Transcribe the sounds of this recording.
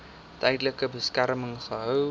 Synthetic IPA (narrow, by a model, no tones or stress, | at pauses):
tɛjdələkəbəskærməŋχəɦœw